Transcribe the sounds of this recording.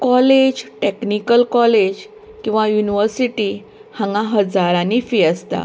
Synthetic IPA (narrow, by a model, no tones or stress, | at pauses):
kɔled͡ʑʈeknikəlkɔled͡ʑ | kĩw̃ʋajuniʋəɾsiʈiː | hãŋɡãɦəd͡zaɾãnifiəst̪a̰